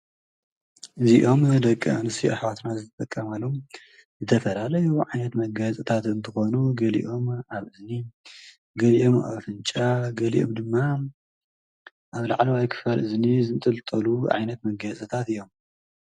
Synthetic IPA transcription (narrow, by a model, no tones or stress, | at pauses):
ʔɨziʔo̞md̪ɐkʼːɐ̰anɨsiʔa̰ħwat̪nazɨt̪ʰɐt̪ʼɐkʼːɐmalom | zɨt̪ʰɐfɐlalɐjuʕajnɐt̪mɐɡɐsʼɨt̪ʰat̪ɨnt̪ʰɨxo̞nuɡɐlḭʔo̞mʔaβʔɨzni | ɡɐliʔo̞ma̰βfɨnt͡ʃʼaɡɐlḭʔo̰md̪ɨmːa | ʔaβla̰ʕlɐwajkʰɨ̥falʔɨznizɨnt̪ʼɨlt̪ʼɐluʕa̰jnɐt̪mɐɡɐt͡sʼɐt̪ʰat̪ɨjːo̞m